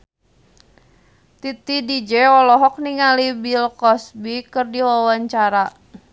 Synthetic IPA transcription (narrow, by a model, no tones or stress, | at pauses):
t̪it̪idid͡ʒɛɔlɔɦɔk̚niŋalibilkɔsbikɨrdiwawaɲt͡ʃaɾa